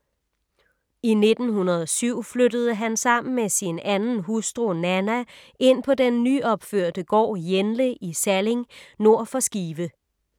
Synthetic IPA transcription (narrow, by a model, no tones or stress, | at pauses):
ine̝d̥n̩hunɐð̞ˠɒsyʊ̰flød̥əð̞ˠəɦænsɑ̈m̰n̩mesinænn̩ɦusd̥ʁonænæʔe̝n̰pʰɒ̽denːyːɒ̽b̥føɐ̰d̥əɡ̥ɒ̰ːjenləʔisæle̝ŋno̝ɐ̰fɒ̽sɡ̥iːʋə